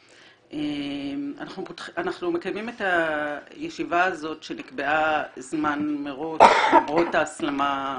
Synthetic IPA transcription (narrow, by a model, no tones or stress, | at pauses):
ʔemanaχnupotanaχnume̞kajmimetajeʃivaːzo̞tʃe̞nikbe̞azmanmeʁo̞ʃʁotaːslama